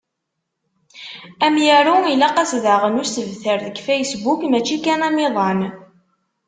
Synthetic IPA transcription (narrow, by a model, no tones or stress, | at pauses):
æmjəɾuilæqɑsðəʁənʊst̪əvθəɾðəɡfæjsbukmæt͡ʃːikænæmiðˤɑn